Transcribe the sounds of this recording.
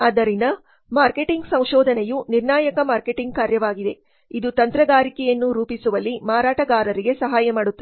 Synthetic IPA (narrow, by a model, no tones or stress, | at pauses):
ɐd̪ɐɾinɐ | maːɾkeʈiŋɡsɐ̃w̃ʃɔːd̪ʱɐnejuniɾnaːjɐkɐmaːɾkeʈiŋɡ̚kaːɾjɐʋaːɡid̪e̞̰ | id̪ut̪ɐnt̪ɾɐɡaːɾikɛjɐnːuɾuːpisuʋɐlːimaːɾaːʈɐɡaːɾɐɾiɡe̞sɐɦaːjɐmaːɽut̪ːɐ